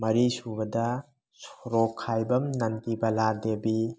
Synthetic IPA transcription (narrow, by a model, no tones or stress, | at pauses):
mɐɾisubɐdɐ | sɔɾɔkʰːajbɐmnɐntibɐladebi